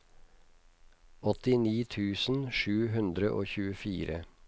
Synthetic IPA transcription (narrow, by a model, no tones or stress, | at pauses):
ɔt̪ɪniːt̪ʰʉːsn̩ʃʉːɦʉnd̪ɾəʔo̰ːçʉːəfiːɾə